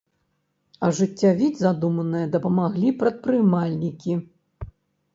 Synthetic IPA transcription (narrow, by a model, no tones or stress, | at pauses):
ɐʐɨt͡sʲːavʲid͡zʲzad̪umɐnɨjɐd̪ɐpɐmaɣlʲipɾɐt̪̚pɾɨmalʲnʲikʲi